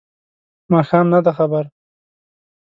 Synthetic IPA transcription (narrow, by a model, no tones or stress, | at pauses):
mɑːxɑːmnad̪axabaɾ